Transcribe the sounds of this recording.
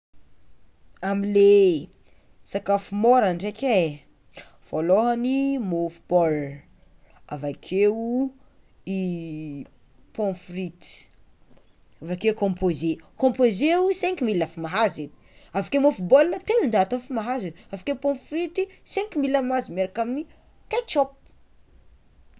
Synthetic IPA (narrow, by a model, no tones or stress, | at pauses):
amile | sakafumoɾanɖ͡ʐekʲe | foloɦanimofu̥b̥ɔl | a̰vakʰeu | i | põfrit̪i̥ | avakekõmpozekõmpozeusɛ̃ŋkumilafimaɦazed̪i̥avakemofubɔlnət̪enund͡ʒaɦt̪ofimaɦazed̪avakeupõfɾit̪isɛ̃ŋkumilamazimeɾakamini | t̪et͡ʃɔp̚